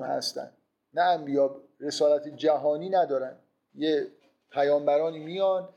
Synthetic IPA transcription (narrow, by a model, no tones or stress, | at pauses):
mhæ̰st̪æ̰nd̪ | nææmbijɒːb | ɾe̞sɒːlæt̪ʰed͡ʒæɦɒːniːnæd̪ɒːɾænd̪ | je | pʰæjɒːmbæɾɒːniːmijɒn